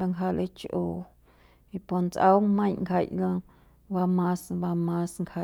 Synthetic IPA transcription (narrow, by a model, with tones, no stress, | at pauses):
ba˧ŋkɦa˧lʔḛ˦t͡ʃʔoː˧˨ | i˧po˨nt͡sʔa˦wŋmə̃˦jŋkʰa˧˨jlə̃˧ | ba˧mãː˦sba˧mãː˦sŋkha˧˨